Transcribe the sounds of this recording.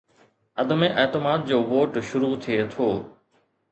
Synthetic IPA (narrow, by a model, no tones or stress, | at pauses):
ɐd̪əmẽʔɐːt̪ɪmaːd̪̚d͡ʑoːʋoːʈʃʊɾut̪ʰiet̪ʰoː